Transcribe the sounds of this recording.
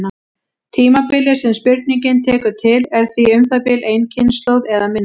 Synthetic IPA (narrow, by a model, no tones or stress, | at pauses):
a | t̪ʰiːmapɪlɪ̥sɛmspɪɾt̪niɲcɪnt̪ʰɛːkʏt̪ʰɪlɛɾ̥θviʏmθapɪlʔeːjncʰɪnst̪lowðɛðamɪnː